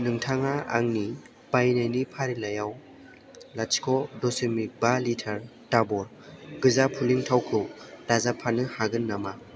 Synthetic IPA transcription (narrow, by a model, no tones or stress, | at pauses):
nɯŋtʰaŋaa̰ŋni | b̥ajnajnipʰaɾilajaw | lat͡ʃkʰɔdɔsɯmik̚balitʰaɾtabɔɾ | ɡɯzapʰuliŋtʰawkʰɯwdazapʰanɯhaɡɯnːama